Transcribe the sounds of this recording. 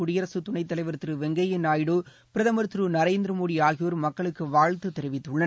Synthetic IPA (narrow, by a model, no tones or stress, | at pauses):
ʊɽɪjɐɾɐsɯt̪ʊɳɐɪt̪ːɐlɐɪʋɐɾɯt̪ːɾɯʋɛŋɡɐjɪnaːjɪɽo | pɪɾɐðɐmɐɾt̪ɾɯnɐɾeːnd̪ɪɾɐmoːɽiaːɣɪjoːɾmɐkːɐɭɯkːɯʋaːɻt̪ɯt̪ːɛɾɪʋɪt̪ːɯɭːɐ